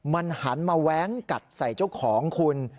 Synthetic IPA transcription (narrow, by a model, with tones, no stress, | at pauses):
ma˧nha˩˦nmaː˧wɛː˦˥ŋka˨˩t̪̚sa˨˩jt͡ɕa˥˩wkʰɔː˩˦ŋkʰu˧n